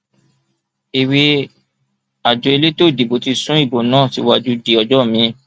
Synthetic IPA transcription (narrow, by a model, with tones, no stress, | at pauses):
i˨we˧ | a˨d͡ʒo˨˧e˧le˦to˦˨di˨bo˨ti˧sũ˦i˦˨bo˨nãː˦˨ti˧˦wa˦d͡ʒu˧di˨ɔ˨d͡ʒɔ˦˨mĩ˧